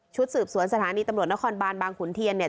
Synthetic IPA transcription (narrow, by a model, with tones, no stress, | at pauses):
t͡ɕʰu˦˥t̪̚sɯː˨˩p̚su˨˩˦ənsa˧t̪ʰaː˨˦niː˧t̪a˧ɾu˨˩t̪̚na˦˥kʰɔː˧nbaː˧nbaː˧ŋkʰuː˩˦nt̪ʰi˧ənːi˧˩ə